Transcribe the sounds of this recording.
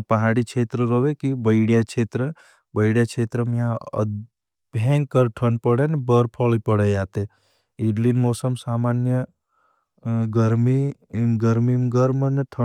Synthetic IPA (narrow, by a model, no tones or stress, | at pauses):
pɐɦaːɽikt͡ʃʰeːt̪ɾəɾoʋekibəɪɽijat͡ʃʰeːt̪ɾə | bəɪɽjat͡ʃʰeːt̪ɾəmjãə̰ | bʱẽːŋɡkəɾʈʰənpəɽenebəɾpʰɔlipəɽejaːt̪e | iɖlinmoːsəmsaːmaːnjə | ɡəɾmi | ɡəɾmimɡəɾməneʈʰə